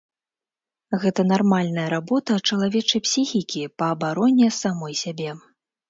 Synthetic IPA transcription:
ɣɛt̪ɐn̪armalʲnɐjɐɾabɔt̪ɐt͡ʂɐlˠavʲɛt͡ʂɐjpsʲixʲikʲipɐːbaɾɔnʲːɛsamɔjsʲabʲɛ

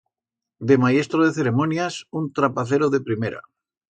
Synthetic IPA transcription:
d̪emaest̪ɾoðeθeɾemonjasunt̪ɾapaθeɾoðepɾimeɾa̰

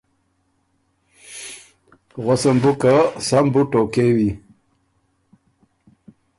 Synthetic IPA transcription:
ɣasambukasambuʈokewi

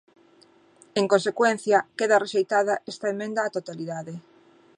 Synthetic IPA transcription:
eŋkõnsekwenθjɐkeðɐreʃejt̪aðɐʔɛst̪aemẽnd̪aːt̪ot̪aliðaðe

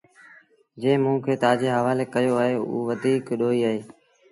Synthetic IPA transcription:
d͡ʒẽːmũːkʰeːt̪aːd͡ʒeːɦəʋaːleːkəjoːaːɦeːṵːʋəd̪ʱiːkɗoːiːaːɦeː

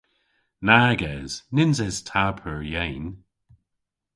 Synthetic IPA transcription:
naːɡɛːz̥nɪnzɛz̥tʰapʰəɹjɛjn

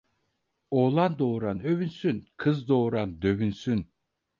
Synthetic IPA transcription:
oːlˠand̪oːɾanøvynsynkʰɯzd̪oːɾand̪øβynsyn

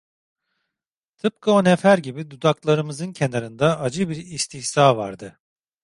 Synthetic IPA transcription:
t̪ʰɯp̚kʰaonefæɾɟibid̪ud̪aklˠaɾɯmɯzɯncʰe̞naɾɯnd̪aʔad͡ʒɯbiɾist̪ʰiçsaːva̰ɾd̪ɯ

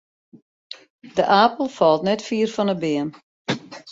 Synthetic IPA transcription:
dəʔaːpəlˠfɔlˠtnɛtfiːrfɔnəbɪən

